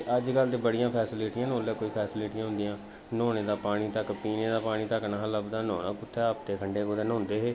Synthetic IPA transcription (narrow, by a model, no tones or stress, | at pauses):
əd͡ʒkəld̪eːbəɽɪjãːpʰɛːsɪliʈiãːnoːlɛːkoːiːpʰɛːsɪliːʈiːãːɦʊ̃nd̪ijãː | noːneːd̪aːpaːɽ̃iːt̪əkpiːneːd̪aːpaːɽ̃iːt̪əknaɦãləbd̪aːno̰ːnã̰ːkʊt̪ʰːɛːəpt̪eːkʰəɳɖeːkoːd̪eːnõːnd̪eːɦeː